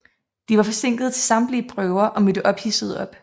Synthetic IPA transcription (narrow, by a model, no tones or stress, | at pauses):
d̥iʋɑ̈fɒ̽se̝ŋ̰ɡ̥ð̞̩ˠt͡sʰe̝lsɑ̈md̥liəb̥ʁœʊɐʔɒ̽mød̥əʔɒ̽b̥hisəð̞ˠɒ̽b̥